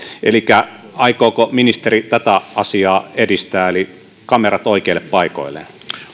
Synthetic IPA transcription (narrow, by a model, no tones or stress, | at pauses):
elikːæɑikoːkominist̪erit̪æt̪æɑsiɑːedist̪æːeli | kɑmerɑt̪oikeilːeppɑiko̰ilːˑḛn